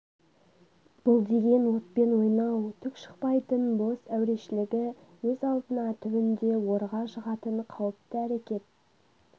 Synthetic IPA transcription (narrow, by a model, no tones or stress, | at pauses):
b̥ʊlˠd̪e̞ɡʲe̞nwo̞t̪̚pe̞nwo̞jnɑwt̪ʰʏkʃə̥qpɑjt̪ənbo̞sæwɾe̞ʃɪlɪɡʲɪ | wɵzɑlˠd̪ənɑt̪ʰʏbɪnd̪e̞wo̞ɾʁɑʃəʁɑt̪əɴqʰɑwəp̚t̪əæɾekʲe̞t̪̚